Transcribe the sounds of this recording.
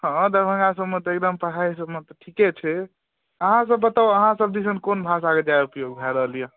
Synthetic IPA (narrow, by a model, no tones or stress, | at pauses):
ɦə̃d̪əbʱə̃ŋɡasəbmet̪ek̚d̪əmpəʈʰaisəbmet̪ɔʈʰikɛt͡ʃʰɛ | əɦãsəbːət̪awəɦãsəb̚d̪isənkonbʱãs̬aked͡ʒaeupjoɡ̚d̪ʱajɾəɦlijã